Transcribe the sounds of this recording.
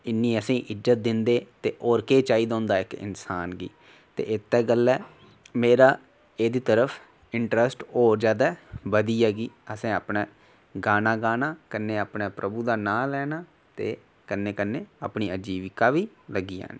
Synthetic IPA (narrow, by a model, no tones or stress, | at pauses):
ɪnːĩːəsĩːʔɪzət̪̚d̪ɪnd̪eːt̪eːʔɔːɾkeːt͡ʃaːiːd̪ãːnd̪aːɪkɪ̰nsaːnɡḭː | t̪ḛːɪt̪ːɛːɡəlːɛː | meːɾaː | eːd̪iːt̪əɾəfʰ | ɪɳʈɾəsʈɔːɾd͡ʒjaːd̪aːbəd̪iːaːɡiːəsẽːaːpnaː | ɡaːnaːɡaːnaːkənːeːaːpnaːpɾʔəbuːd̪aːnãːlɛːnaː | t̪eː | kənːeːkənːeːa̰ːpɳiːəd͡ʒiːʋɪkaːʋiːləɡiːã̰ːnː